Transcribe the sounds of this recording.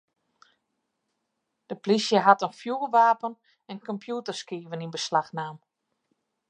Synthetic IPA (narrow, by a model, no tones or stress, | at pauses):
d̥əplisjəɦatənfjuʋaːpən | ɛnkɔmpʰjuːtərskiːvəninbəslaxnaːm